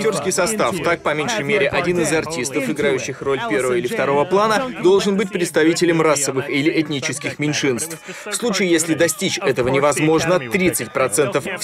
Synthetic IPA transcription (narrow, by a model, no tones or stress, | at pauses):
tʲo̞rskʲɪjsɐst̪aft̪ak̚pɐmʲenʲʂɨjmʲeɾʲɪʔɐdʲinɨzɐrtʲist̪əfɨɡɾajʉɕːɪxro̞lʲpʲe̞rvəvəilʲɪft̪ɐɾo̞vəplˠanəd̪o̞lˠʐɨnbɨtʲpɾʲɪt̪st̪ɐvʲitʲɪlʲɪmrasːəvɨxilʲɪʔɛt̪ʲnʲit͡ɕɪskʲɪxmʲɪnʲʂɨnst̪ffslˠut͡ɕɪjjesʲlʲɪd̪ɐsʲtʲit͡ɕɛt̪əvənʲɪvɐzmo̞ʐnəɐt̪ːɾʲit̪sɨtʲpɾɐt̪sɛnt̪əf